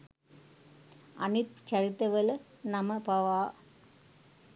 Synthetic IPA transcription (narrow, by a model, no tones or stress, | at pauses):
ʔɐ̰nɪt̪̚t͡ʃɐɾɪt̪ːɐʋɐlɐ | nɐmɐpɐʋaː